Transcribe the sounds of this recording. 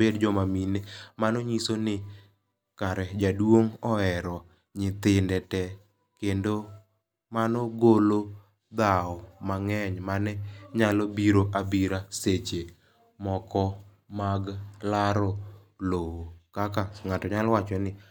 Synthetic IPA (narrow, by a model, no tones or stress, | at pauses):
edd͡ʒɔmaminemanɔɲisonɪ | kaɾɛd͡ʒadwoŋɔɛɾɔ | ɲɪt̪ɪndɛtɛ | kendo | manɔɡolo | d̪aɔmaŋɛɲmanɛɲalɔbiɾoʔabiɾaset͡ʃe | mɔkɔ | maɡlaɾɔlowokakaŋatɔɲalwat͡ʃɔnɪ